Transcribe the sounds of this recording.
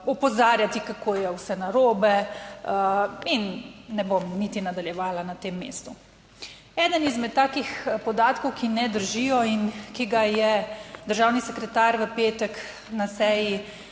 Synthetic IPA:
ɔpɔzaːɾjat̪ikakoːjɛwsɛnaɾoːbɛ | inːɛbomnit̪inad̪aljɛʋaːlanat̪eːmːḛːst̪u | ɛːd̪ənizmɛt̪ːaːkixpɔd̪aːt̪kɔwkinɛd̪əɾʒijɔinkiɡajɛd̪əɾʒaːwnisɛkɾɛt̪aːɾʋəpeːt̪ək | nasɛːji

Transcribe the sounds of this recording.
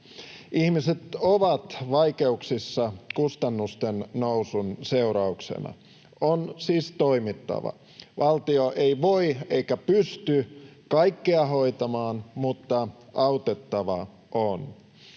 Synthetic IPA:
ʔihmiset̪oʋɑt̪ʋɑikeuksisːɑkust̪ɑnːust̪ennousunse̞uɾɑuksḛnɑ̰ | onsiːst̪oimit̪ːɑ̰ʋɑ̰ | ʋɑlt̪ioʔeiʋoieikæpyst̪ykɑikːeɑɦoit̪ɑmɑːnmut̪ːɑʔɑut̪et̪ːɑʋɑ | ʔon

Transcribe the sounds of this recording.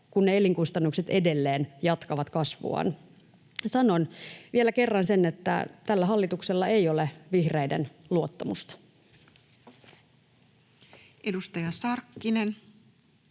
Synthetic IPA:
kunːeeliŋkust̪ɑnːukset̪e̞de̞lːeːnjɑt̪kɑʋɑt̪kɑsʋṵɑ̰n | sɑno̞nʋielæke̞rːɑnsenːet̪ːæ̰t̪ælːæɦɑlːit̪ukselːɑe̞joleʋihreidenluot̪ːɑmust̪ɑ̥ | edust̪ɑjɑsɑrkːinen

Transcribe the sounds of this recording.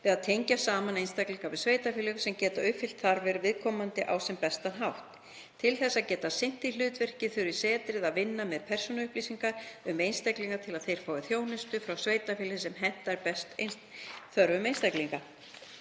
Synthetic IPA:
vɛðaðt̪ʰejɲcasaːmanejnst̪akliŋkavɪðsveːjt̪afɪːliɣsɛmcɛːt̪aʏpfɪlt̪θaɾvɪɾvɪðkʰɔmant̪ɪʔawsɛmpɛst̪anɦawht̪ | t̪ʰɪlθɛsːaðcɛːt̪asejn̥t̪ilʏːt̪vɛr̥cɪθʏɾɪ̥sɛːt̪ɾɪðaðvɪnːamɛðpʰɛr̥sɔnaʏhpliːsiŋkaɾʏmejnst̪akliŋkat̪ʰɪlaðθejɾ̥faːwɪθjoːwnɪst̪ʏfɾawsveːjt̪afɪːlɪsɛmɦɛn̥t̪aɛɾpɛst̪ḛjnst̪θœɾvʏmejnst̪akliŋka

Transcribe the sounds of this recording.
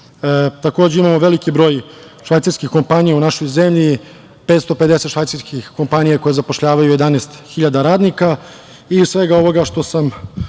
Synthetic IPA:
t̪ako̞ːd͡ʑeimamoʋe̞likibɾo̞ːjʂʋajt̪saɾskixko̞mpanijaunaʃo̞jze̞mʎi | peːt̪st̪oped̪eset̪ʃʋajt̪saɾskixko̞mpanijako̞jezapoʃʎaːʋajujed̪aneːst̪xiʎad̪aɾaːd̪nika | isʋe̞ɡao̞ʋo̞ɡaʃt̪o̞sam

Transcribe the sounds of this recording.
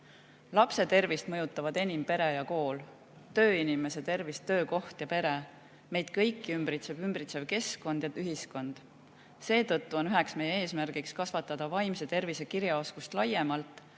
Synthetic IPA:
lɑpse̞t̪e̞rvist̪mɤjut̪ːˑɑvɑd̪e̞nimpe̞ɾejɑko̞ːl | t̪ø̞ːinime̞se̞t̪e̞rvist̪ːø̞ːko̞ht̪jɑpe̞ɾe̞ | me̞jd̪̥̚kɤ̞jkːiymbɾit̪sevymbɾit̪se̞vke̞sko̞nd̪̥jɑyɦisko̞nd̪̥ | se̞ːt̪ɤt̪ˑːuo̞nyɦe̞ksme̞jee̞ːsmærɡ̥ikskɑsvɑt̪ːˑɑd̪̥ɑvɑjmse̞t̪e̞rvise̞kiɾjɑo̞skust̪lɑjːemɑlt̪ˑ

